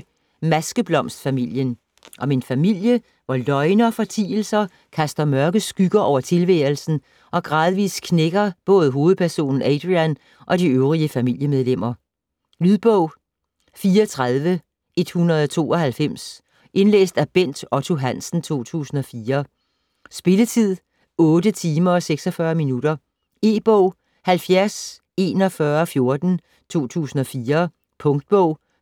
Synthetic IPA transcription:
mæsɡ̥əb̥lɒ̽m̰sd̥fæmil̰jən | ʔɒ̽menfæmil̰jə | ʋɒlɒ̽ɪnɐfɒ̽t͡sʰḭːl̩sɐ | kʰæsd̥ɐmɶɐɡ̥əðsɡ̥yɡ̥ɐʔɒʊ̰ɐt͡sʰe̝lʋḛːl̩sn̩ | ʔɒ̽ɡ̥ʁɑ̈ːð̞ˠʋḭːskʰneɡ̥ɐb̥ɔ̽ːð̞̩ˠɦo̝ːð̞̩ˠpʰæɐso̝̰ːnn̩æd̥ʁiæn | ʔɒ̽d̥iøʊʁiəfæmil̰jəmeð̞ˠlem̰ɐ | lyðˠb̥ɔʊ̰ | fiːɒt͡sʰʁað̞ˠʋə | ʔe̝d̥hunɐð̞̩ˠɒt͡sʰo̝̰ːɒ̽hælfem̰s | ʔe̝nlḛːsd̥æb̥en̰d̥ɒt͡sʰo̝ɦæn̰sn̩t͡sʰo̝̰ːt͡sʰṵːsn̩ɒ̽fiːɐ | sb̥e̝lət͡sʰið̞̰ˠ | ɔ̽ːdət͡sʰiːmɐ̽seɡ̥sɒ̽fɶɐminuɾ̥ɐ | e̝̰ːb̥ɔʊ̰ | hælfjæɐs | e̝ːnɒ̽fɶɐɒfjo̝ɐd̥n̩ | t͡sʰo̝̰ːt͡sʰṵːsn̩ɒ̽fiːɐ | pʰɔ̽ŋd̥̚b̥ɔʊ̰

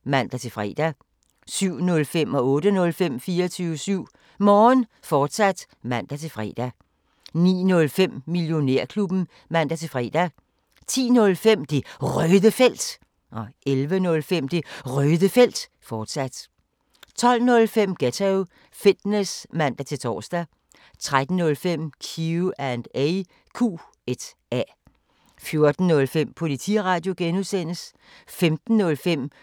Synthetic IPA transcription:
mæn̰d̥æt͡sʰe̝lfʁɛ̰ːd̥æ | syʊ̰nɔ̽lfem̰ɒ̽ɔ̽ːd̥ənɔ̽lfem̰fiːɐɒt͡sʰyːʋəsyʊ̰ | mɒːn | fɒːd̥sæd̥ | mæn̰d̥æt͡sʰe̝lfʁɛ̰d̥æ | nḭːnɔ̽lfem̰mːiljo̝ne̝ɐ̰kʰlub̥n̩ | mæn̰d̥æt͡sʰe̝lfʁɛ̰ːd̥æ | t͡sʰḭːnɔ̽lfem̰d̥e̝ʁœðˠəfel̰d̥ | ʔɒ̽elʋənɔ̽lfem̰d̥e̝ʁœːðˠəfel̰d̥ | fɒːd̥sæd̥ | t͡sʰɒ̽l̰nɔ̽lfem̰ɡ̥æt͡sʰeʊ | fid̥nesmæn̰d̥æt͡sʰe̝lt͡sʰɒ̰ːsd̥æ | t͡sʰʁad̥n̩nɔ̽lfem̰kʰiuænd̥eɪ | kʰṵː | ed̥ | æ | fjo̝ɐd̥n̩ːɔ̽lfem̰pʰo̝lit͡sʰḭʁɑ̈ːd̥jo̝ɡ̥enuðˠsen̰əs | femd̥n̩ːɔ̽lfem̰

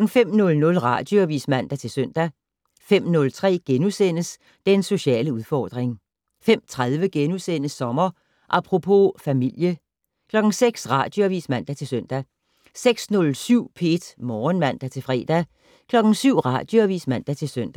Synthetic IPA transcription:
ɡ̥n̩fem̰nɔ̽lnɔ̽lʁɑ̈d̥joæʋḭːsmæn̰d̥æt͡sʰe̝lsœn̰d̥æ | fem̰nɔ̽lt͡sʰʁɛ̰ːɡ̥enusen̰əs | d̥enso̝ɕɛ̰ːləuðˠfɒːd̥ʁeŋ | fem̰t͡sʰʁaðˠʋəɡ̥enusen̰əsɒ̽mɐ | ʔɑpʰʁo̝pʰo̝fæmil̰jə | kʰlɒ̽ɡ̥n̩seɡ̥sʁɑ̈ːd̥joæʋḭːsmæn̰d̥æt͡sʰe̝lsøn̰d̥æ | seɡ̥snɔ̽lsyʊ̰pʰe̝d̥mɒːnmæn̰d̥æt͡sʰe̝lfʁɛ̰ːd̥æ | kʰlɒ̽ɡ̥n̩syʊ̰ʁɑ̈d̥joæʋḭsmæn̰d̥æt͡sʰe̝lsøn̰d̥æ

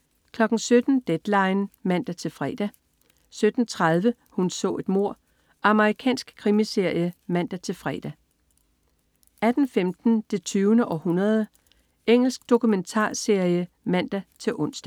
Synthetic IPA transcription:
kʰlɒ̽ɡ̥n̩sød̥n̩d̥ed̥lɑ̈ɪnmæn̰d̥æt͡sʰe̝lfʁɛːd̥æ | sød̥n̩t͡sʰʁað̞ˠʋə | hunsɔ̰̽ːe̝d̥mo̝ɐ̰ | ʔɑ̈məʁikʰɛ̰ːnsɡ̥kʰʁimise̝ɐ̰jəmæn̰d̥æt͡sʰe̝lfʁɛ̰ːd̥æ | æd̥n̩femd̥n̩d̥e̝t͡sʰyːʊnəʔɒ̽hunɐð̞ˠə | eŋ̰l̩sɡ̥̚d̥o̝kument͡sʰɑ̰̈ːse̝ɐ̰jə | mæn̰d̥æt͡sʰe̝ʔɔ̽n̰sd̥æ

